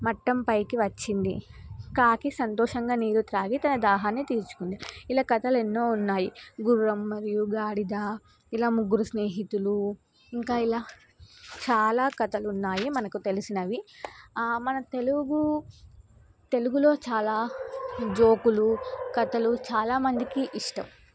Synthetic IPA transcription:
mɐʈːɐmpɐjkiʋɐt͡ʃːind̪ḭkaːkisɐnt̪ɔːʂɐŋɡaːniːɾut̪ɾaːɡit̪ɐnɐd̪aːɦaːnːit̪iːɾut͡ʃu̥kund̪iilaːkɐt̪ɐle̞nːo̞ːunːaːjiɡuɾːɐmːɐɾijuɡaːɽid̪aː | ilaːmuɡːuɾusneːɦit̪ulu | iŋkaːilaː | t͡ʃaːlaːkɐt̪ɐlunːaːjimɐnɐkut̪e̞lisinɐʋi | mɐnɐt̪e̞luɡu | t̪e̞luɡulo̞ːt͡ʃaːlaː | d͡ʒo̞ːkulukɐt̪ɐlut͡ʃaːlaːmɐnd̪ikiʔiʂʈɐm

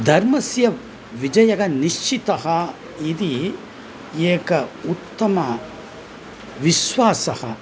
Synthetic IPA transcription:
d̪ʱɐɾmɐsjɐ | ʋid͡ʒɐjɐɡɐniʂt͡ʃit̪ɐɦɐ | id̪i | eːkɐut̪ːɐmɐ | ʋiʃʋaːsɐhɐ̰

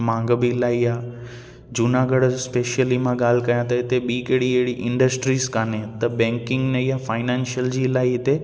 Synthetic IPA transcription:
mãːŋɡəbilaːijaː | d͡ʑunaːɡəɽspeːʃjəlimãɠaːl̤ɪkɐjãt̪ɐɪt̪eɓiːkeːɽiɐɦɪɽiʔɪ̃ɳɖəsʈɾiːskaːnet̪ɐbɛ̃ːŋkɪ̃ŋɡnejafaːɪnɛ̃ːnʃijəld͡ʑiːlaːiɦɪt̪e

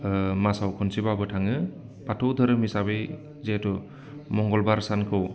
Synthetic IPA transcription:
masawkʰɔnsibabɯtʰaŋɯ | patʰɔwd̪ʱɯɾɯmisabej | zetɔ | mɔŋɡɔlbaɾsankʰɯw

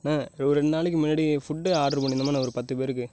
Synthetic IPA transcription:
naːɾɾɛɳd̪naːɭɪkːɯmɪnːɐːɽifʊʈːɯaːʈɾɯpoːnːɪnd̪ɐmaːnɐɔɾɯpɐt̪ːɯpeːɾɯkːɯ

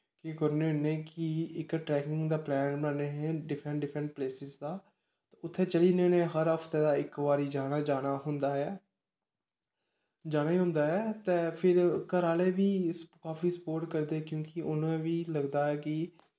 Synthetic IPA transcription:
kikəɾneːʊnẽːkɪɪkʈɾɛːkɪ̃ŋɡd̪aːplɛːnbəneːɦɛ̃ːɖɪpʰɾə̃ɳɖɪpʰɾə̃ɳʈ̚pleːsɪzd̪aː | t̪eːʊt̪ʰːeːt͡ʃəliːnenẽːɦəɾəpʰt̪eːd̪aːɪkʋaːɾiːd͡ʒaːnaːd͡ʒaːɽ̃aːɦʊnd̪aːɛː | d͡ʒaːnaːiːɦʊ̃nd̪aːɦɛːt̪eːpʰɪɾkəɾaːleːʋiːkaːfiːsəpoːɾʈkəɾd̪eːɛkjõːkiʔʊnõːẽːʋiːləɡd̪aːɛːkɪ

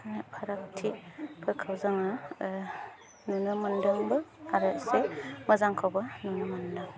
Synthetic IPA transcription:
nepʰaɾak̚tʰipʰɯkʰawzaŋa | nunɯmɐndɐmbɯaɾɯsemɐzaŋkʰawbɐnunɯmɐndaŋ

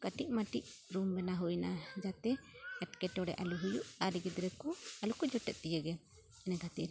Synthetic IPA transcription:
kəʈic̚maʈiʔ̚ɾumbɛnaɦujnad͡ʒat̪ɛɛʈkɛʈɔɽɛ̰ʔa̰luɦujuʔaɾiɡɛd̪ɾɛkualukud͡ʒɔʈɛt̪̚ˀt̪ijəɡɛ | ɛnɛɡat̪iɾ

